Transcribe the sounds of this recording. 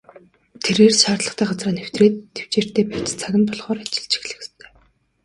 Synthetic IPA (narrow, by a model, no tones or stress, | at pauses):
t̪ʰeɾeːrʃaːrɮə̆χt̪æːɢat͡sraːnew̥t̪reːt̪ʰːew̥t͡ɕeːr̥t̪eːpæwʲt͡st͡sʰæɣʲɪ̆mpɔɮʁɔːɾat͡ɕɪ̥̆ɮt͡ɕɪ̥̆xɮɘ̆xst̪ʰœ̥ː